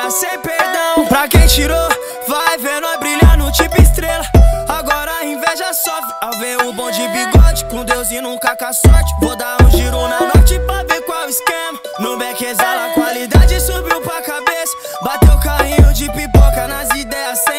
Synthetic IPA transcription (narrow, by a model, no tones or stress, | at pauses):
sẽj̃peɾd̪ɐ̃w̃pɾɐkẽj̃t͡ʃiɾo | vajveɾnɔ̃jbɾiʎaɾnʊt͡ʃĩpʊist̪ɾelɐaɡɔɾɐaĩvɛʒɐsɔ | aveɾʊbõw̃d͡ʒɪbiɡɔd͡ʒɪ̥kõd̪ewzɪnũkɐkasɔɾt͡ʃɪ̥vod̪aɾũʒiɾonɐnojt͡ʃɪpɾabekwawiskẽmɐ | nʊ̃bekezalɐkwalid̪ad͡ʒɪsubiwpɾɐkabesɐ̥ | bat̪ewʊkahĩɲʊd͡ʒɪpipokɐnɐzid̪ɛjɐsẽ